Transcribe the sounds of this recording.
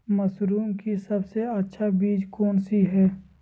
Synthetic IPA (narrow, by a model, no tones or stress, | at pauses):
mɐsɾuːmkisɐbseɐtːʃʰabiːd͡ʒkɔːnsiɦɛː